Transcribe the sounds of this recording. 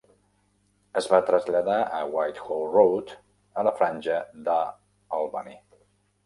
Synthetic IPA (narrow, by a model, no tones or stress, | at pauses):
əzβat̪ɾəzʎaðaʔəwajt̪xolˠrowt̪ | ələfɾanʲʒəd̪ə | alˠβanḭ